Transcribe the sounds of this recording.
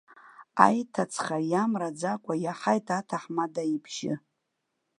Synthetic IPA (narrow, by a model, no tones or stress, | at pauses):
a̰jtʰat͡sʰχajamrad͡zakʷʼajaħajtʰatʰaħmadaibʰʒɪ